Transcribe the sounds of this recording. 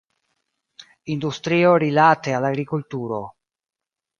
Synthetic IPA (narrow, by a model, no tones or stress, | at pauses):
ind̪ust̪ɾioɾilat̪ealaɡɾikultuɾo